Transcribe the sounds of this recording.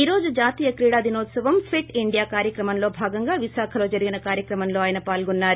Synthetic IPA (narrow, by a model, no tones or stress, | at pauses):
iːɾo̞ːd͡ʒud͡ʒaːt̪iːjɐkɾiːɽaːd̪inoːt̪sɐʋɐmpʰeʈiɳɖijaːkaːɾjɐkɾɐmɐmlo̞ːbʱaːɡɐŋɡaːʋiʃaːkʰɐlo̞ːd͡ʒɐɾiɡinɐkaːɾjɐkɾɐmɐmlo̞ːaːjɐnɐpaːlɡunːaːɾu